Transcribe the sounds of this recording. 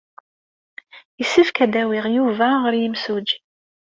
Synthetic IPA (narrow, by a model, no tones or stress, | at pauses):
əsːifkæd̪æwɪʁjuvæʁəɾjəmsud͡ʒ